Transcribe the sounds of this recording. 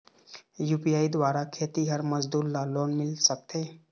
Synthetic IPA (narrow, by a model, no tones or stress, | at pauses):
juːpijaːid̪waːɾakʰeːt̪iɦəɾməd͡ʒd̪uːɾlaloːnmɪlsək̚t̪e